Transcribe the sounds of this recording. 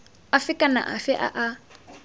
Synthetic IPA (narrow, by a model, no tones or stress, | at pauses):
afikʼana̰ʔafɛʔa̰ʔa